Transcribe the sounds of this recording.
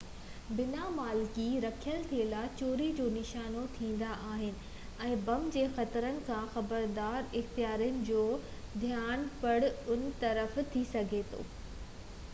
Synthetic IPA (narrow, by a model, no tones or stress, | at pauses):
bɪnamaːlkiɾɐkʰijəlt̪ʰiəlaːt͡ɕoːɾid͡ʑoːnɪʃaːnot̪ʰĩːn̆d̪aʔaːɦɪnɪ̆ | ɛ̃ːbɐmd͡ʑeːxɐt̪ɾənɪ̆kʰãxɐbəɾd̪aːɾɪxt̪ijaːɾijənɪ̆d͡ʑoː | d̪ʱijaːnpɐɽʊn̆t̪ɐɾəft̪ʰisɐɡʱet̪ʰo̰ː